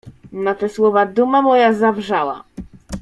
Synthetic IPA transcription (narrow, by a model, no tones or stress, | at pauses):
nat̪ɛswɔvad̪umamɔjazavʐawa̰